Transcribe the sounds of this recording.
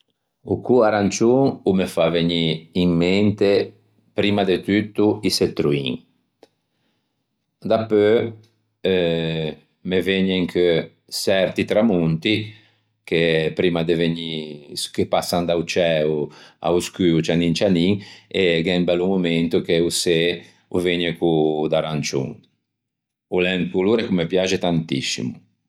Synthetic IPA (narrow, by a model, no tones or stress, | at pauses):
ukuaɾant͡ʃuŋumefaveɲiimːent̪e | pɾiːmad̪et̪yt̪ːuiset̪ːɾuḭŋ | d̪apːø | meveɲeŋkʰø | sɛɾt̪it̪ɾamunt̪i | kepɾiːmad̪eveɲisu̥kepasːand̪awt͡ʃɛua̰uskyut͡ʃaniŋt͡ʃaniŋeɡɛŋbɛlːumument̪ukeuse | uveɲekud̪aɾant͡ʃṵŋ | ulɛŋkuluɾekumepjad͡ʒet̪ant̪ḭsḭmu